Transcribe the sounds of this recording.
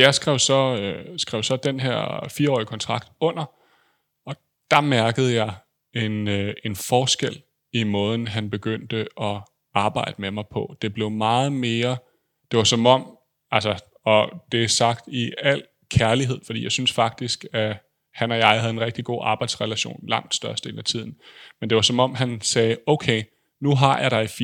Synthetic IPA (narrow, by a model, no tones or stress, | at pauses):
jɑ̈ɪsɡ̥ʁɛʊsɒ̽øsɡ̥ʁɛʊsɒ̽d̥enɦeɐ̰fiːɐɒ̰ːikʰɒ̽nt͡sʰʁɑ̈ɡ̥̚d̥ɔ̽n̰ɐ | ɒ̽ | d̥ɑ̈mæɐɡ̥əð̞̩ˠjɑ̈ɪ | e̝ne̝nfɒːsɡ̥el̰ | imɔ̽ːð̞ˠn̩ɦænb̥e̝ɡ̥øn̰d̥əʔɒ̽ | ɑ̈ːb̥ɑ̈ɪ̰d̥əmemɑ̈ɪpʰɒ̽d̥e̝b̥le̝ʊmɑ̈ːð̞̩ˠme̝ːɐ | d̥e̝ʋɑ̈sɒ̽mɒ̽m̰ | ælsɐ | ɒ̽d̥e̝æsɑ̈ɡ̥̚d̥iæl̰ | kʰæɐliɦe̝ð̰ˠfɒ̽d̥ḭːjɑ̈ɪsynsfɑ̈ɡ̥̚d̥isɡ̥æ | hænɒ̽jɑ̈ɪhæðˠenʁɛɡ̥̚d̥iɡ̥o̝̰ːɑ̈ːb̥ɑ̈ɪd̥sʁɛlæɕo̝̰ːnlɑ̈ŋ̰d̥sd̥ɶɐsd̥e̝̰ːnæt͡sʰið̰ˠn̩mend̥eʋɑ̈sɒ̽mɒ̽m̰ɦænsɛːɔʊkʰeɪ | nuɦɑ̈jʔɑ̈ɪɾ̥ɑ̈ɪf